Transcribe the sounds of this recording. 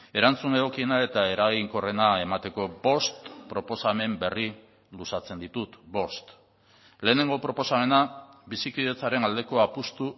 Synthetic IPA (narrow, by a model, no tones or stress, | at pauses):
e̞ɾant͡sune̞ɣo̞kienae̞t̪aeɾaɣiŋko̞re̞nae̞mat̪e̞ko̞bo̞st̪pɾo̞po̞same̞mbe̞ri | lusat͡se̞nd̪it̪ut̪bo̞st̪ | le̞ːne̞ŋɡo̞pɾo̞po̞same̞naβisikiðe̞t͡saɾe̞nald̪e̞ko̞apust̪u